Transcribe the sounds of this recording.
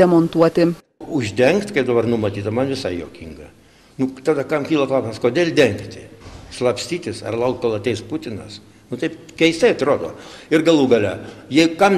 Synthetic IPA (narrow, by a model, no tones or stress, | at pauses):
ɛmont̪uɔt̪ʲɪ | ʊʒʲd̪ʲɛŋkt̪kɐɪp̚d̪ɐbɐrnʊmɐt̪ʲiːt̪ɐmɐnʋʲɪsɐɪjo̰ːkʲiŋɡɐ | nʊt̪ɑːd̪ɐkɐmkʲiːlˠɐklˠɑːsʲɪmɐskoːd̪ʲeːlʲd̪ʲɛŋkt̪ʲɪslˠɐpʲsʲt̪ʲiːt̪ʲɪsɐ̰rlˠɐʊkt̪̚kolˠɐt̪ʲɛɪspʊt̪ʲɪnɐ̰s | nʊt̪ɐɪpkʲɛɪɪst̪ɐɪɐt̪roːd̪o̰ːɪrɡɐlˠuːɡɐlʲɛjɛɪkɐm